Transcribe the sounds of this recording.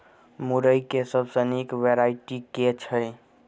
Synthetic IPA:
muɾəjkesəbsənikʋeɾaiʈiket͡ʃʰəj

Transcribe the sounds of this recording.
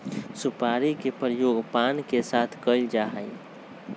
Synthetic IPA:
supaɾikepɾəjoɡpankesat̪ʰkəɪld͡ʒaɦəi

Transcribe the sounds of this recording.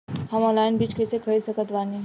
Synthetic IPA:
hɐmɔ̃ːlaːɪnbiːt͡ʃkɛːsekʰɐɽisɐkət̪ʋaːniɦ

